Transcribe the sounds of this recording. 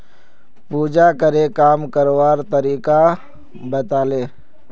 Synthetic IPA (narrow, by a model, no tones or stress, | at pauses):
puːd͡ʒakəɾekaːmkəɾwaːɾt̪əɾiːka | bət̪aːleː